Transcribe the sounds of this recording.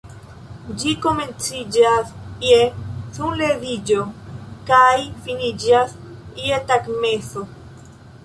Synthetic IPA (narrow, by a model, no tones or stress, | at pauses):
d͡ʒiko̞me̞nt͡sid͡ʒasjesunleðid͡ʒo̞kajfinid͡ʒas | ietakme̞so